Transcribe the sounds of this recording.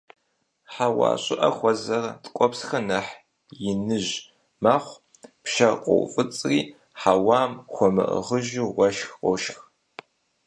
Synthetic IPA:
ħawa̰ːɕʼɪʔɐxʷɔzɐrtkʷʼɔpsxɐnɐħ | jɪnɨʒ | maχʷ | pʃɐqʷʼo̰wfʼɨt͡sʼriː | ħawɑːmxʷɔmɨ̰ʔə̰ʁəʒuʁʷɐʃxqʼɔʃx

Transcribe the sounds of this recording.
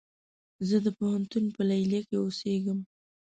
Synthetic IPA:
zəd̪əpohant̪unpəlajljakeoseɡəm

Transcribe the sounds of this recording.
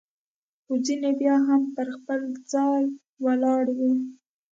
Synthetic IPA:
xozinebjɑɦampəɾxpəld͡zɑj | walɑɽwi

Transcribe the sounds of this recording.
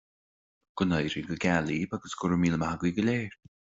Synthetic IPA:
ɡ̥ʊnəjɾiɡəɡɛlibaɡəsɡʊɹəmiːləmaɡwiɡəleːɹ

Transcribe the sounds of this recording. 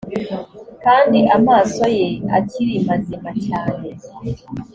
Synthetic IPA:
kaːndiʔamaːso̞jea̰tʰiɾimazimacaːne

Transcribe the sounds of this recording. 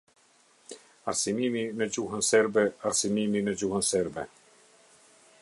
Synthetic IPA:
a̰ɾsimininəd͡ʑuɦənsɛɾbɛaɾsimininəd͡ʑuhənsɛɾbɛ̰

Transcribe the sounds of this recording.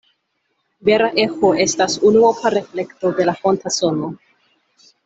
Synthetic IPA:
beɾaʔe̞xoʔe̞stasunuopʰaɾefle̞kto̞de̞lafontaso̞no

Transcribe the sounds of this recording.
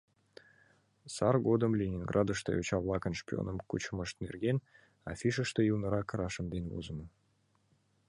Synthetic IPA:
sɑrɡod̪əmlʲenʲinɡrʔɑd̪ə̆ʃt̪ɤ̰ot͡ɕɑvlˠɑkə̆nʂpʲio̰nə̆mkṵt͡ɕəməʃt̪nḛrɡʲen | ɑ̰fʲiʃə̆ʃt̪eulnə̆ɾɑkə̆ɾɑʃə̆md̪envo̰zə̆mɤ̆

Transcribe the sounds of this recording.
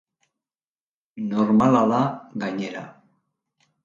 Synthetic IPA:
noɾmalaðaɣaɲe̞ɾa̰

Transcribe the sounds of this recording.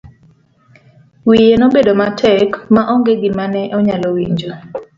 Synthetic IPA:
wijenobedomatʰɛkmaʔɔŋɡeɡimanɛʔɔɲalɔwḭɲd͡ʒo

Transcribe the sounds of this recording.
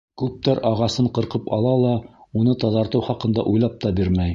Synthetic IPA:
kʉp̚t̪æɾɑʁɑsɤɴqɤ̆ɾqɤpɑ̰lˠɑlˠɑunɤt̪ɑðɑɾt̪ɤwχɑqɤ̆nd̪ɑ̰ʔujlˠɑp̚t̪ɑbiɾmæj

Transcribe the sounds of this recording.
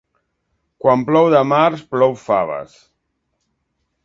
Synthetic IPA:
kwamplɔwðəmaɾsplɔwfaβə̰s

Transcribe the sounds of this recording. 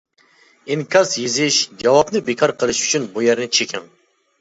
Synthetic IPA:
ɪnkʲʰɑsjezɪʃd͡ʒɑwɑpnɨbekʰɑɾqʰəlˠɨʃy̥t͡ʃʰynbujɛɾnɪt͡ʃʰekʲʰɪŋ

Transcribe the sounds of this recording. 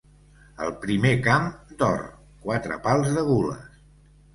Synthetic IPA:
əlˠpɾimekamd̪ɔ̰r | kwat̪ɾə̰palˠzðəɣulə̰s

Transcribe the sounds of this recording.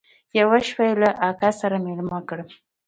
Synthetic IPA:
jawaʃwajlaʔakasaɾamelmɑkəɽ

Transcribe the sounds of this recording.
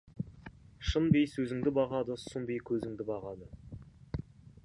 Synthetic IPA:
ʃənbejsɵzɪŋd̪ɪbɑʁɑd̪əsʊnbejkʲʰɵzɪŋd̪ɪbɑʁɑd̪ə

